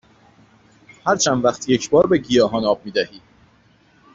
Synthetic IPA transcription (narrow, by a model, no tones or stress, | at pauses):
hæɾt͡ʃʰænd̪væχt̪ʰje̞cʰbɒːɾbe̞ɟijɒːɦɒːnɒːb̥̚miːd̪æhiː